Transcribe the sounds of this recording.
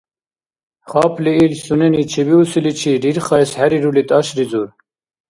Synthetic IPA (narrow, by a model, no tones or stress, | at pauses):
χɑːpliilsunenit͡ɕʰibiusilit͡ɕʰiɖiɾχɑjshæɾiɾulit̪ɑɕɾizuɾ